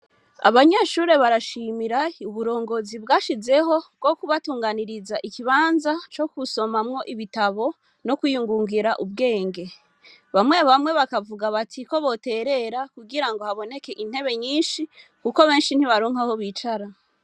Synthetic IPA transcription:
a̰βaɲeʃuɾe̞βaɾaʃimiɾauβuɾo̞ːŋɡo̞zibɡaːʃize̞ɦo̞b̚ɡ̥okuβatuːŋɡaniɾizaʔikiβaːnzat͡ʃo̞kuso̞mamŋo̞ʔiβitaβo̞ | no̞kujuŋɡuːŋɡiɾaʔubɡe̞ːŋɡe̞ | βamŋe̞βamŋe̞βakavuɡaβatʰiko̞βo̞te̞ːɾe̞ɾakuɡiɾaŋɡo̞haβo̞ne̞ke̞ʔin̥he̞βe̞ɲiːnʃikuko̞βe̞ːnʃin̥hiβaɾoːŋ̥ahoβiːt͡ʃaɾa

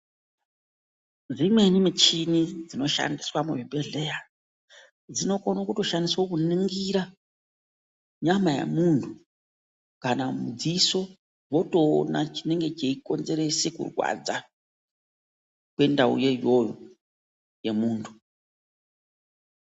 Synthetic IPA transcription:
ʐimwe̞nimit͡ʃinid͡zino̞ʃa̰ndiswamuʐibʱe̞ɮe̞ja | d͡zino̞konokuto̞ʃandiswokuniŋɡiɾa | ɲamaja̰muntʰu | kanamud͡ziso̞ | wo̞to̞̰ːnat͡ʃine̞ŋɡe̞t͡ʃeiko̞nze̞ɾe̞sekṵrwa̰d͡za | kwe̞ndaṵje̞jo̞jo̰ | je̞muːntʰu̥

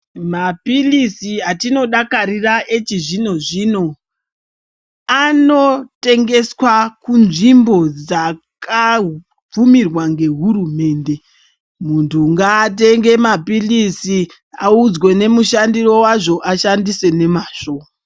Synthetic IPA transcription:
mapilisiɦatino̞ɗakariraʔet͡ʃiʐino̞ʐino̞ | ano̞te̞ŋɡe̞swakunʐimbo̞d͡zakʰa | b͡vumirwaŋɡe̞ɦurume̞ːnde̞ | muntʰuŋɡaːt̬e̞ŋɡe̞mapilisi | aud͡zwe̞ne̞muʃandiro̞waʐo̞ʔaʃandise̞ne̞maːʃoːma

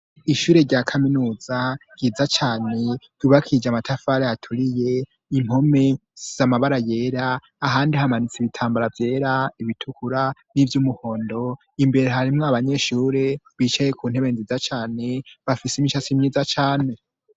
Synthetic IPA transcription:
iʃuːɾe̞ɾɟaːkʰaminuːz̥aɡɟ̥iːzat͡ʃaːne̞ɟ̥uβakʰid͡ʒamatʰafaɾeatʰuɾije̞ | im̥ho̞me̞z̥amaβaɾaje̞ːɾaː | ɦaːndihamanit͡siβitʰaːmbaɾavje̞ːɾaiβitʰukuɾanivjumuho̞ːndo̞ | imbe̞ɾeɦaɾimŋoaβaɲe̞ʃuːɾe̞βit͡ʃaje̞kʰuːn̥he̞βe̞nzizat͡ʃaːne̞βafisemiʃasimɲiːzat͡ʃaːne̞

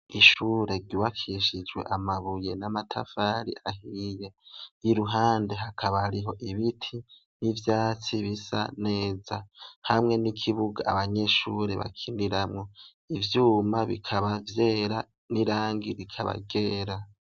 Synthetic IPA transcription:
iʃuːɾe̞ɾɡuβakiʃid͡ʒɡwe̞̰ʔamaβuje̞namatʰa̰faɾḭahije̞iɾuɦaːnde̞ɦakʰaβahaɾiɦo̞ʔiβitʰi | nivjaːt͡siβisa̰ne̞ːzahamŋe̞nikʰiβuɡaaβaɲe̞ʃuɾe̞βa̰kʰindiɾamŋo̞ | ivjuːmaβḭkʰaβavje̞ːɾa | niɾaːŋɡiɾikʰaβa̰ɡeːɾa

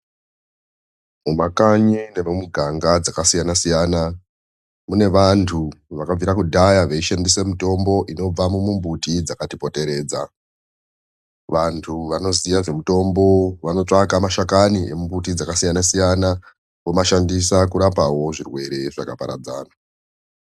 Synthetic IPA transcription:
mumakaɲine̞mumuɡʱaŋɡad͡zakasijanasijana | mune̞ʋantʰuʋakab͡viɾakudʱajaʋeiʃandise̞muto̞mbo̞ʔino̞b͡vamumumbutid͡zakatipo̞te̞ɾe̞ːd͡za | ʋantʰuʋano̞zijaʐe̞muto̞mbo̞ʋano̞t͡ʂakamaʃakaniʔḛmumbutid͡zakasijanasijana | wo̞maʃandisakuɾapawo̞ʐirwe̞ɾe̞ʐakapa̰ɾa̰d͡zaːna

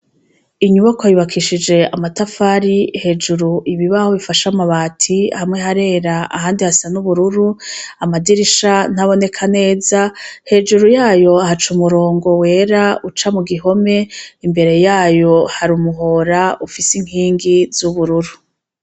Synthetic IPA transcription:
iɲuβakwajiβakʰiʃid͡ʒe̞amatafaɾihe̞d͡ʒuɾuʔiβiβaho̞βifaʃamaβaːtʰihamŋe̞ɦaɾe̞ːɾaʔa̰haːndihasanuβuɾuɾuamadiɾiʃan̥haβo̞ne̞kʰane̞ːzahe̞d͡ʒuɾujaːjo̞ahat͡ʃumuɾo̞ːŋɡo̞we̞ːɾaut͡ʃamuɡiɦo̞me̞imbe̞ɾe̞jaːjo̞haɾumuɦo̞ɾaufisiŋ̥iːŋɡiz̥uβuɾuɾu

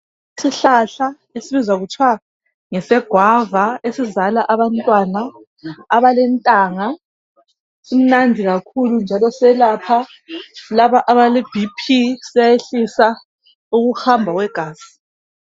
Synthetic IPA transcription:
siɬaɬa | esiβizwaɣutʰwa | ŋɛsɛɡ̥ʱwavaesizalaʔaβantʼwanaː | βalɛntʼaːŋa | um̩nandʱiɣakʰulund͡ʒʱalɔsɛlapʰa | laβaʔaβalib̥ʱipʰisijajeɬisa | uɣuhambʱaɣwɛɡ̥ʱaːsi̥

